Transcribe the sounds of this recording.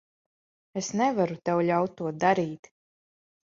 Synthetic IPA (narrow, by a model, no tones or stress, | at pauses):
esnɛvaɾut̪ɛwʎʲawt̪̚ːuɔd̪aɾiːt̪